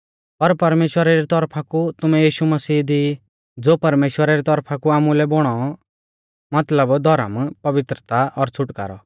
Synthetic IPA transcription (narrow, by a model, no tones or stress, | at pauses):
pɐɾpɐɾmeːʃwəɾaɾit̪ɔɾpʰakut̪ʊmɛjiːʃumɐsiːd̪i | d͡zoːpɐɾmeːʃwəɾaɾit̪ɔɾpʰakuaːmulɛbʊɽ̃ɔ | mɐt̪ləbd̪ʱɔɾə̰mpɐʋɪt̪ɾət̪aʔɔɾt͡sʰʊʈka̰ːɾɔ̰